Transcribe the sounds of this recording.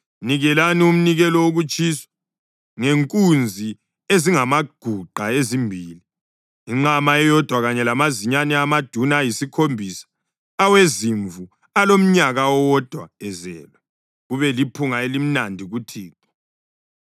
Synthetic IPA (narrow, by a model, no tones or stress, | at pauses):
niɣɛlanium̩niɣɛlɔwoɣut͡ʃʰʼisɔ̥ | ŋeŋkʼund͡zʱi | eziŋamaɡ̥ʱuɡ͡ǃʱaezimbʱiːliː | ŋ͡ǁamaɛjɔd̥ʱwaɣaɲɛlamaziɲanɛamad̥ʱunaːjisikʰombʱisḁː | weziɱvu | alom̩ɲaɣaɔwɔd̥ʱwa̰ɛzɛ̰ːlwɛ | ɣuβɛlipʰuŋaelim̩nandʱiɣutʰiːkɔ̥